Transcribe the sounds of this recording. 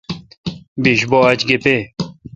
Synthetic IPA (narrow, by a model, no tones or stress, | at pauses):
biɕboɐt͡ɕɡepe